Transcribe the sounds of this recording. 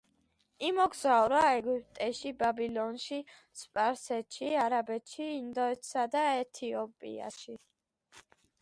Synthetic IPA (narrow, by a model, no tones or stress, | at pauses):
imɔɡzauɾaɛɡipʼt̪ʼɛʃibabilˠɔnʃi | spʼaɾsɛt̪ʃiaɾabɛt̪ʰʃiːnd̪ɔɛt̪ʰsad̪aɛt̪ʰiɔpʼḭa̰ʃi